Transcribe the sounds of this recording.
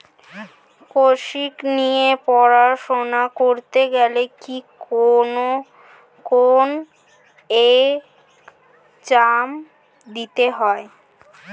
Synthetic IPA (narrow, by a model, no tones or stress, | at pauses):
koʃiknijepɔɾaʃonakoɾt̪eɡɛlekikono | kon | e | t͡ɕam | d̪it̪eɦɔe